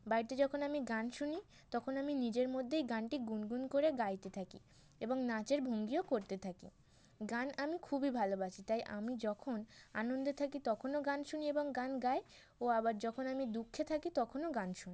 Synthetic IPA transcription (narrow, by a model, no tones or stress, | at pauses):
bajɾt̪ed͡ʑɔkʰonamiɡanʃuni | t̪ɔkʰonaminid͡ʑeɾmod̪ʱːejɡanʈiɡunɡunkoɾeɡajt̪et̪ʰakḭ | eboŋnat͡ɕeɾbʱoŋɡiokoɾt̪et̪ʰakḭ | ɡanamikʰubibʱalobat͡ɕʰit̪ajʔa̰mid͡ʑɔkʰonanond̪ot̪ʰakit̪ɔkʰonoɡanʃunieboŋɡanɡae | oabaɾd͡ʑɔkʰonamid̪ukʰːet̪ʰakit̪ɔkʰonoɡanʃuni